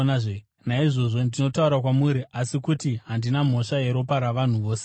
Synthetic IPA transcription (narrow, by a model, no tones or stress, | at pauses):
nʐ | naiʐo̞ʐo̞ndino̞tauɾakwamuɾiʔasikutiɦandinam̤o̞ʂaje̞ɾo̞paɾaʋan̤uʋo̞ːse